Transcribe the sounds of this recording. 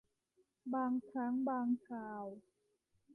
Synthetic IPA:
baː˧ŋkʰɾa˦˥ŋbaː˧ŋkʰaː˧w

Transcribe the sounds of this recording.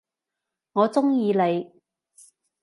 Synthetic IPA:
ŋɔː˨˧t͡sʊ˥ŋjiː˧le˨˧j

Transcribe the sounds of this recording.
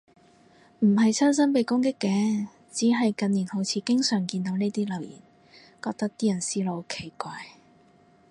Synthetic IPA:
m̩˨˩ɦɐ˨jt͡sʰœː˥ns̬ɐ˥npe˨˧jkʊ˥ŋk̬ɪ˥kːɛː˨˥ | t͡siː˨˥ɦɐ˨jkɐ˧niː˨˩nho˨˥wt͡sʰiː˧kɪ˥ŋsœː˨˩ŋkiː˧nt̪o˨˥wne˥jt̪iː˥lɐ˨˩wjḭː˨˩n | kɔː˧k̚t̪ɐ˥k̚t̪iː˥jɐ˨˩nsiː˥lo˨˧wkʰe˨˩jkʷaː˧j

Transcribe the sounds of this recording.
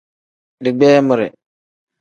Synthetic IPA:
dɪ˨ɡ͡bɛː˦mʊ˨ɾɪ̰˨

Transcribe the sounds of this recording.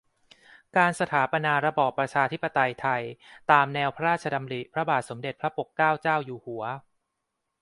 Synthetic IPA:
kaː˧nsa˧t̪ʰaː˩˦pa˧naː˧ɾa˧˥bɔː˨˩pːɾa˧t͡ɕʰaː˧t̪ʰi˦˥pːa˧t̪a˧jt̪ʰa˧jt̪aː˧mnɛː˧wpʰɾa˦ɾaː˥˩t̪̚t͡ɕʰa˧da˧mɾi˨˩pʰɾa˦˥baː˨˩t̪̚so˩˦mde˨˩t̪̚pʰɾa˦˥po˨˩kːaː˥˩wt͡ɕaː˥˩wjuː˧˩hu˩˦ɐ

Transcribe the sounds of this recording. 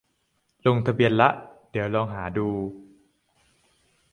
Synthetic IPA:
lo˧ŋt̪ʰa˧bi˧ənla˦˥ʔdi˩˦əwlɔː˧ŋɦaː˩˦duː˧

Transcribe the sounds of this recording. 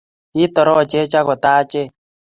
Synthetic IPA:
i˦tɔ˨ɾɔ˦˨t͡ʃe˦t͡ʃa˦kɔ˨taː˦t͡ʃe˦˨

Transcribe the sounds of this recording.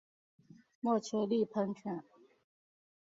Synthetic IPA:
mwɔ˥˨t͡ɕʰɛ˧˥li˥˨pʰə˧˥ŋʈ͡ʂʰa˨˩˦n

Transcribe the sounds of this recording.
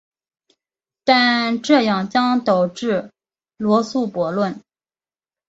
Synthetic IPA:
t̪a˥˧nʈ͡ʂɤ˥˧jɑ˥˩ŋt͡ɕjɑ˥ŋt̪o˨˩ʊʈ͡ʂɻ̩˥˩ | lwɔ˧˥su˥˩pwɔ˧˥lwə˥˩n

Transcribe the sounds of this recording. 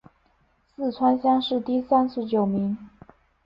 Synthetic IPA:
sɹ̩˥˩ʈ͡ʂʰwa˥nɕjɑ˥ŋʂɻ̩˥˧t̪i˥˧sa˥nʂɻ̩˧˥t͡ɕjo˨˩ʊmi˧˥ŋ

